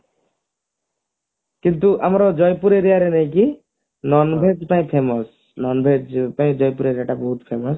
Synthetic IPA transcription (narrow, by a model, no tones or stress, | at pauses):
kint̪uʔamaɾɔd͡ʒɔjpuɾeɾiaɾenej̃ki | nɔnbʱed͡ʒpaĩpʰemɔs | nɔnbʱed͡ʒpaĩd͡ʒɔjpuɾeɾiaʈabɔɦut̪pʰemɔs